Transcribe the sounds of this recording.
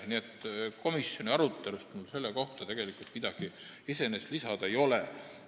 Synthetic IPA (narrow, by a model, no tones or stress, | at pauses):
niet̪ːko̞misjo̞nʲiɑɾut̪ːˑe̞lust̪mulse̞lːeko̞ht̪ɑt̪e̞ɡ̥e̞likult̪mid̪̥ɑɡ̥i | ise̞nest̪lisɑd̪̥ɑejo̞le